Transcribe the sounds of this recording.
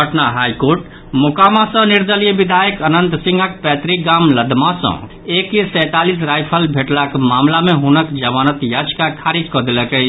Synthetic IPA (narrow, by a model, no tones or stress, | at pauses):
əʈnaɦajkoɾʈ | mukamãsə̃niɾd̪əliəbid̪ʱajəkənənt̪sĩŋɡʱək̚pɛt̪ɾiɡamləd̪mãsə̰̃ | ekjesəjt̪alis̬ɾajpʰəlbʱeʈlakmamlameɦunəkd͡ʒəmanət̪jad͡ʒkakʰaɾid͡ʒkɔd̪eləkə